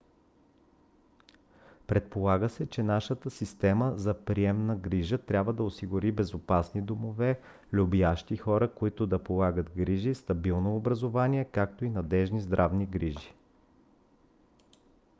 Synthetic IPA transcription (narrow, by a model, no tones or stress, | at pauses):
pɾɛt̪̚polˠaɡəsɛt͡ʃɛnaʃət̪əsist̪ɛməzɐpɾiɛmnəɡɾiʒət̪ɾʲabvəd̪ɐosiɡʊɾibɛzopasnid̪omovɛ | lʲubiaʃt̪ixɔɾəkoit̪ʊd̪ɐpolˠaɡət̪ɡɾiʒist̪ɐbilˠnoːbɾəzovaniɛkak̚t̪oinɐd̪ɛʒnizd̪ɾʔavniɡɾiʒi